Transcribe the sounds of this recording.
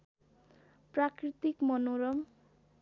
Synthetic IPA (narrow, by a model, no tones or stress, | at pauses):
prakrit̪ikmʌnoɾʌm